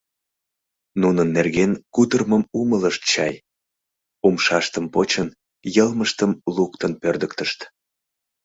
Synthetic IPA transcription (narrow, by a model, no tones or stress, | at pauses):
nunənːerɣenkut̪ərməmumələʃt̪̚t͡ɕɑ̰j | umʃɑʃt̪əmpot͡ɕən | jəlməʃt̪əmlukt̪ənpørd̪əkt̪əʃt̪